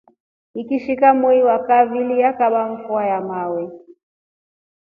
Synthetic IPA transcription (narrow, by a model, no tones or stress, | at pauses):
ikiʃikamuiwakavilijakaɓaɱ̩fuajamawɛ